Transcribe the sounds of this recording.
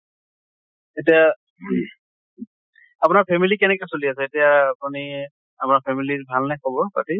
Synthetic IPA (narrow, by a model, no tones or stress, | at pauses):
etija | apunaɹpʰɛmilikɛnɛkɛsoliasɛetijaːpuni | apʊnaɹpʰɛmilibʱalnakʰɔbɔpa̰ti